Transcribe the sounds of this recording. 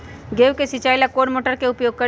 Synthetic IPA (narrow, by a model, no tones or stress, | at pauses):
ɡeːʋkesɪt͡ʃaːilakoːɽmoːʈəɾkeʊpjoːɡ̚kə